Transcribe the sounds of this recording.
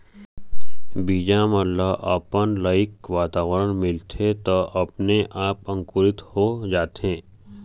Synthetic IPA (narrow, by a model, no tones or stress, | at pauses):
biːd͡ʒaməlːaʔə̰pənlaːɪkʋaːt̪aːʋɾənmɪlt̪ʰet̪oʔɐpneʔaːpə̃ŋkʊɾɪt̪hod͡ʒaːt̪ẽː